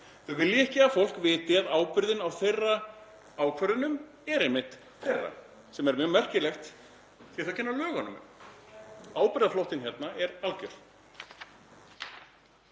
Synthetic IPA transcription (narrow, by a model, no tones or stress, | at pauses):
θœɣvɪljɪɛhcɪafowl̥kvɪːt̪ɪaðaːwpʏɾðɪnawθejrːa | aːwkʰvœɾʏnʏm | ɛɾɛnmːɪht̪ | θejrːa̰ | sɛmɛɾmjœːɣmɛr̥cɪlɛxt̪ | θiaθawcʰɛnːalœːɣanʏm̰m | aːwpʏɾðaflowht̪ɪnçɛɾt̪naʔɛɾalcʏɾ̥